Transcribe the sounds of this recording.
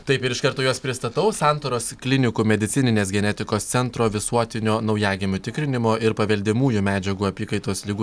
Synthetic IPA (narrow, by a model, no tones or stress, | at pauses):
t̪ɐɪpɪɾɪʃkɐɾt̪oːjoːspʲɾʲɪst̪ɐt̪ɐʊsɑˑnt̪oːɾoːsklʲɪnʲɪkumʲɛd̪ʲɪt̪sʲɪnʲɪnʲeːs̬ɡʲɛnʲɛt̪ʲɪkoːst̪sʲɛnt̪ɾoːʋʲɪsuɔt̪ʲɪnʲoːnɒʊjæːɡʲɪmʲʊt̪ʲɪkɾʲɪnʲɪmoːʔɪɾpɐʋʲɛlʲd̪ʲɪmuːjumʲæːd͡ʒʲɛɡuːɐpʲiːkɐɪt̪oːslʲɪɡu